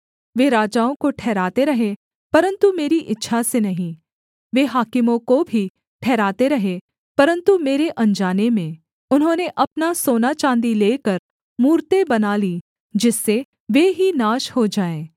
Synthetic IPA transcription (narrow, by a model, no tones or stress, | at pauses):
ʋeːɾaːd͡ʒaːõkoʈʰɛːɾaːt̪eɾɐɦẽ | pɐɾə̃nt̪umeːɾiʔɪtːʃʰasenɐɦĩ | ʋeːɦaːkɪmõkobʱi | ʈʰɛːɾaːt̪eɾɐɦẽ | pɐɾə̃nt̪umeːɾeʔɐ̃ɲd͡ʒaːnemẽ | ʊnɦõːneʔɐpnasoːnat͡ʃãːnd̪ileːkɐɾ | muːɾt̪ebɐnaːliː | d͡ʒɪsːe | ʋeːɦinaːʃhod͡ʒaːẽː